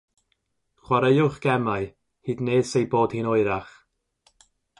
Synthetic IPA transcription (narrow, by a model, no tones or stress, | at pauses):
χwaɾəjʊχɡ̥ɛmaɨ | hɨːdneːsejboːd̥hiːnɔɨɾaχ